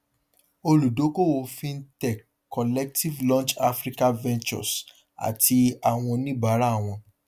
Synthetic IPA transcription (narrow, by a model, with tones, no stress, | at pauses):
o˧lu˨do˨˦ko˦˨wo˧fĩ˦n̩˦tɛ˦˨ | kʰɔ˨lɛ˦k̚ti˦vlɔ̃˦t͡ʃa˦fɾi˦ka˦vɛ̃˦nt͡ʃɔ̰˨s | a̰˨ti˧a˨w̃ɔ̃˧nĩ˦ba˨˦ɾa˦˨w̃ɔ̃˧